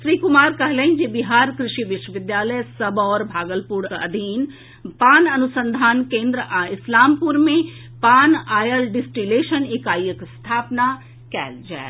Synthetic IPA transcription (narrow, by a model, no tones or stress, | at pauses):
ʃɾiːkʊmaːɾkɐɦleĩd͡ʒebɪɦaːɾkɾɪʃiʋɪʃəʋɪd̪jaːləjsɐbɔːɾbʱaːɡəlpuɾɐ̰d̪ʱiːn | paːnɐnʊsə̃nd̪ʱaːnkẽːnd̪ɾəʔɪslaːmpuɾmẽ | paːnaːjəlɖɪsʈileːʃənekaːjjəkst̪ʰaːpna | kɛ̰ːld͡ʒɛ̰ː